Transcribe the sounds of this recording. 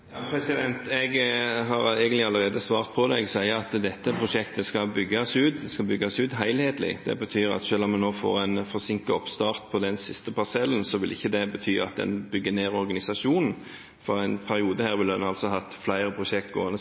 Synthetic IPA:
jɑpʰɾɛsɪd̪ɛnt̪ɛɡɦɑɾæɪɡənlɪɑlːəʁeːd̪əsʋɑːʁt̪̚pʰɔd̪ɛɡsæɪəɾɑt̪d̪ɛt̪ːəpʰɾʊʃɛkt̪əskɑbʏɡːɑsʉːt̪̚d̪ɛskɑbʏɡːɑsʉːt̪ɦæɪlheːt̪lɪ̰d̪̥ɛ̰bət̪ʰyːɾɑ̰t̪ʃøːlɔmːɛnːoːfo̰ːɾæɪnfɔʁsɪŋkəɔ̰pst̪ɑːʁt̪̚pʰɔd̪ɛnsɪst̪əpɑʁsɛlːənsɔʋɪlʔɪçːəd̪ɛbət̪ʰyːɑ̰t̪̚d̪ɛ̰nbʏɡːəneːʁɔɾɡɑnɪsɑʂuːnn̩ | fɔɾæɪnpʰæɾɪuːd̪əhæːɾʋɪld̪ɛnɑlsɔɦɑt̪ːflæɪɾəpʰɾʊʃɛkt̪̚ɡo̰ːɑnə

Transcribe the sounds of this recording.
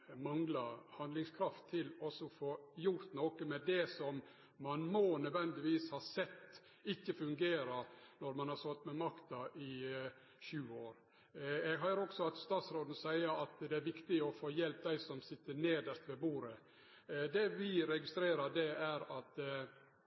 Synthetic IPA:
mɑŋlɑhɑnd̪lɪŋskʰɾɑft̪ʰːɪlɔsɔfoːjʊɾt̪noːkəmɛd̪ɛsɔmː | ɑnmɔnœd̪ʋɛnd̪ɪʋiːshɑɾsɛt̪ː | ɪçːəfʉŋɡeːɾɑnɔɾmɑnhɑɾsɔlt̪ːmɛmɑkt̪ɑʔɪ | ʃʉːoːɾ | ɛɡɦœɪɾɔɡsɔɑt̪st̪ɑːt̪sɾoːd̪n̩sæɪəɾɑt̪d̪ɛæɾʋɪkt̪ɪɔfoːjɛlp̚d̪æɪsɔmsɪt̪ːəɾneːd̪əʂt̪ʋɛbuːɾə | d̪ɛʋɪɾɛɡɪst̪ɾeːɾɑd̪ɛæɾɑt̪

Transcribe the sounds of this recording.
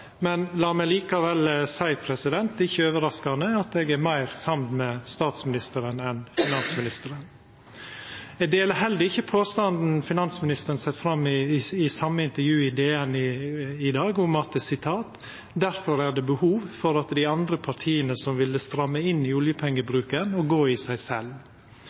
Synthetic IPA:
mɛnlɑːmɛliːkɑʋɛlsæɪpʰɾɛsɪd̪ɛnt̪ɪçːəøːʋəɾɑskɑnəɑt̪ɛɡæɾmæɪɾsɑmnmɛst̪ɑːt̪smɪnɪst̪əɾənɛnfɪnɑnsmɪnɪst̪əɾən | ɛd̪eːləhɛld̪əɪçːəpʰoːst̪ɑnd̪n̩fɪnɑnsmɪnɪst̪əɾənsɛt̪fɾɑmːɪɪsɑmːəɪnt̪əɾjʉːɪd̪eːɛnɪɪd̪ɑːɡʊmɑt̪sɪt̪ʰɑːt̪ | d̪æɾfɔɾæɖ̪ɛːbəhuːʋfɔɾɑt̪d̪ɪɑnd̪ɾəpʰɑɾʈ̪ʰiːənəsɔmʋɪlːəst̪ɾɑmːəɪnːɪʊljəpʰɛŋːəbɾʉːkənɔɡoːɪsæɪsɛl

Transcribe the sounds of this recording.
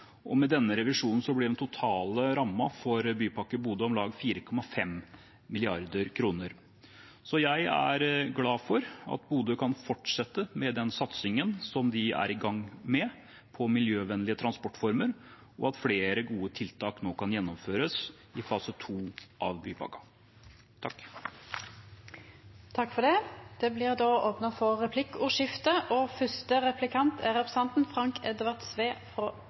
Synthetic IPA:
ʔɔmɛd̪ɛnːəɾɛʋɪʂuːnn̩sɔblɪɖɛnt̪ʊt̪ʰɑːləɾɑmːɑfɔɾbyːpʰɑkːəbuːd̪əɔmlɑːɡfiːɾəkʰɔmɑfɛm | mɪlɪɑɾd̪əɾkʰɾuːnəɾ | sɔjæɪæ̰ɾɡlɑːfɔɾɑ̰t̪buːd̪əkʰɑnfɔʈʂɛt̪ːəmɛd̪ɛnsɑt̪sɪŋənsɔmd̪ɪæ̰ɾɪɡɑŋːmɛ | pʰɔmɪljøːʋɛnlɪət̪ʰɾɑnspɔʈːfɔɾməɾ | ɔɑt̪fleːɾəɡuːət̪ʰɪlt̪ʰɑːknoːkʰɑnjɛnːɔmføːɾəs | ɪfɑːsət̪ʰuːʔɑʋbyːbɑ̰ːɡɑ | t̪ʰɑkː | t̪ʰɑkːfɔd̪ɛd̪̥ɛblɪʁd̪oːoːpnɑfɔʁɛpʰlɪkːuːʃɪft̪əʔoːfʏst̪əʁɛpʰlɪkʰɑnt̪ʰæʁɛpɾɛsɛnt̪n̩fʁɑŋkʰɛd̪ʋɑʁt̪sʋeːfɾoː

